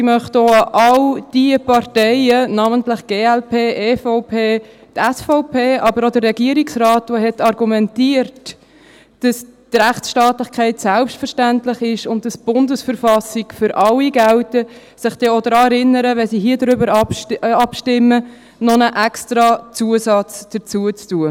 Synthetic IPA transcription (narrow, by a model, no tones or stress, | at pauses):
imœχtoʔɑld̥ipɑrtɛɪənɑːməntlɪχɡ̥eːɛlpʰeːʔeːfɔʊpʰeː | tɛsfɔʊpʰeːʔɑbəɾodərːɛɡiəɾiksrɑːtʋohɛtɑɾɡumɛntiəɾt | d̥ɑstɾæχtt͡sʃtɑːtlɪχkʰɛɪtsælpʃtfəɾʃtæntlɪχɪʃʊntd̥ɑsb̥ʊndəsfəɾfɑsikfʏɾʔɑlːiɡæltə | sɪχd̥ɛodɾɑːɛɾɪnːəɾəʋɛsiɦiədɾʏbəɾɑpɑpʃtɪmːə | nɔnəʔɛkstɾɑt͡suəsɑt͡sd̥ət͡suət͡stuə